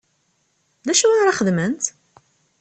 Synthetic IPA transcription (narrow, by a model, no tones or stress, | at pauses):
ðæʃuwænɾˤɑχəðmənt̪